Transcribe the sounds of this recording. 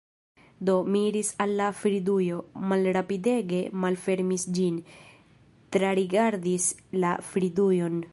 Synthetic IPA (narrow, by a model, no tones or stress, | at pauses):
d̪o̞miɾisalːafɾidujo̞malɾapide̞ɡe̞malfe̞ɾmisd͡ʒin | t̪ɾaɾiɡaɾdis | lafɾidujo̞n